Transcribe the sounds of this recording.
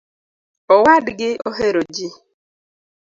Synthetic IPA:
ɔwadɪɡɪʔoɦeɾod͡ʒi

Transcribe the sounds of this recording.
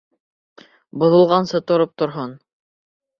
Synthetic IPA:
bŏðŏlˠʁɑnsɤt̪ŏɾop̚t̪ŏɾɦɤn

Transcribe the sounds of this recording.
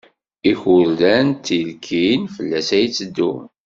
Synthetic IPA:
içʊɾdænt̪ːilkʰinfəlːæsæjt͡sːəd̪ːṵ

